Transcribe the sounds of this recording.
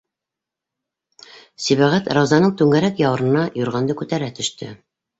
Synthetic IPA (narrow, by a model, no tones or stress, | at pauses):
siβæʁæt̪ɾɑwzɑnɤɴt̪ʉŋæɾækjɑwɤ̆ɾɤ̆nɑjŏɾʁɑnd̪ɤkʉt̪æɾæt̪ɵ̆ʃt̪ɘ̰